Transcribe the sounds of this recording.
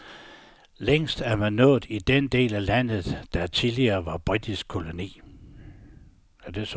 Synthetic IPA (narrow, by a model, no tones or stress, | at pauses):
leŋ̰sd̥æɐmænːɔ̰̽ːð̩ˠid̥end̥e̝̰ːlælæn̰ð̞̩ˠd̥æt͡sʰiliɐːʋɑ̈b̥ʁid̥isɡ̥̚kʰo̝lo̝nḭː | æd̥e̝s